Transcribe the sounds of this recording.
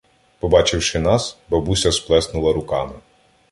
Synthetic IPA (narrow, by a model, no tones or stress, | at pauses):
pɔbɑt͡ʃɪwʃɪnɑsbɐbusʲɐsplˠɛsnʊlˠɐɾʊkɑmɪ